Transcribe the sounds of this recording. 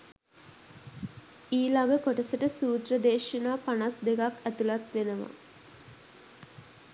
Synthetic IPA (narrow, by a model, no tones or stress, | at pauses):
iːlaɡəkoʈəsəʈəsuːt̪rəd̪eːʂinaːpanasd̪ekakæt̪ulat̪ʋenəʋa̰